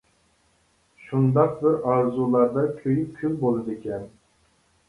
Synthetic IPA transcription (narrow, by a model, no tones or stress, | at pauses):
ʃund̪ɑq̚bɪɾɑɾzulˠɑɾd̪ɑkʲʰøjykʲʰylbolˠɨd̪ekʲʰɛn